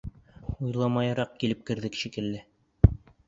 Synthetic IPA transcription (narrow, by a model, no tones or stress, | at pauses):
ujlˠɑmɑjɑɾɑq̚kilɘp̚kɘ̆ɾðɘkʃikɘ̆lːɘ